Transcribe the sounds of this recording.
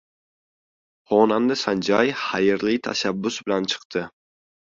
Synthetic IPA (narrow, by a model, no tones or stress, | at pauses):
χɒnand̪ɪsand͡ʒajhajɪɾlɪt̪ʰa̰ʃabːʊsbɪlant͡ʃʰɨ̥qt̪ʰɪ